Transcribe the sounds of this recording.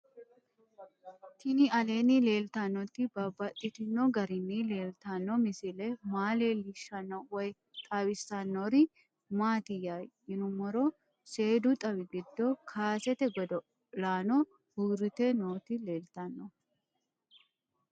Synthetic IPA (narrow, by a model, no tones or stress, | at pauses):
t̪ʰɪnɪɐle̞ːnɪle̞ːlt̪anːɔt̪ːɪbɐbɐt̪ʼːɪt̪ɪnːɔɡɐɾɪnːile̞ːlt̪anːɔmɪsɪlɛmaːleːlɪʃːɐnːɔwɔj | t̪ʼawɪsɐnːɔɾɪ | maːt̪ɪjaj | ɪnʊmɔɾɔ | se̞ːd̪ʊt̪ʼɐwɪɡɪd̪ːɔkʰaːsɛt̪ɛɡɔd̪ɔ | laːnɔ | huɡɾɪt̪enoːt̪ɪle̞ːlt̪ɐnːɔ